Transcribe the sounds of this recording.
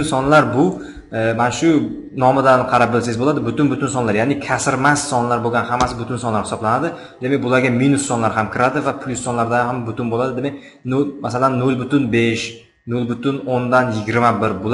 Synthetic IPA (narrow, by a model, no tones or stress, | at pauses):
nsɒnlaɾbʊ | manaʃʊ | nɒmɪd̪anqʰɑɾap̚bɪlsajɪzbolˠad̪ɪbʊt̪ɪnbʊt̪ʰʊnsɒnlaɾjaːnɪkʲʰasɪɾmasːɒnlaɾboɡʲanɦamːasɪbʊt̪ʊnsɒnlaɾhɪ̥sɒblanad̪ɪ | d̪emek̚ʲbʊlˠaɾɡʲaminʊsːɒnlaɾɦamkʲʰɪɾad̪ɪvapʰlʲˠʊsːɒnlaɾd̪ahambʊt̪ɪnbolad̪ɪd̪eme | nolmasalanːolˠbʊt̪ʊnbeʃ | nolˠbʊt̪ʰʊnond̪anjɪɡʲɪɾmabɪɾbʊl